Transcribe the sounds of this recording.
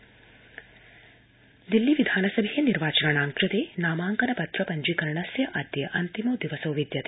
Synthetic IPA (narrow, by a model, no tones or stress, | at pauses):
d̪ilːiʋid̪ʱaːnɐsɐbʱejɐniɾʋaːt͡ʃɐɾɐɳaːŋkɾut̪eːnaːmaːŋkɐnɐpɐt̪ɾɐpɐɲd͡ʒikɐɾɳɐsjɐʔɐd̪jɐɐʔɐnt̪imud̪iʋɐsɐʋʋid̪jɐt̪e